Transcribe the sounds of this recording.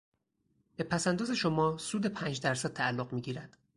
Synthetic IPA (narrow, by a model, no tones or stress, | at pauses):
b̥e̞pʰæsænd̪ɒːze̞ʃo̞mɒːsuːd̪e̞pʰæːnd͡ʒd̪æɾsæd̪̚t̪ʰæːlːoɢmiːɟiːɾæd̪̥